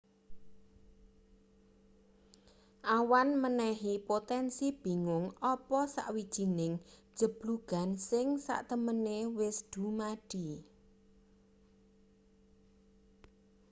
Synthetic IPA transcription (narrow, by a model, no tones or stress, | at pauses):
ʔawanmənɛɦipot̪ɛnsib̥i̤ŋʊŋɔpɔsa̰ʔwid̥ʒ̥i̤nɪŋ̥ | d͡ʒ̥ə̤b̥luɡ̥a̤nsɪŋsa̰ʔt̪əmənewɪsd̪̥ṳmaɖ̥i̤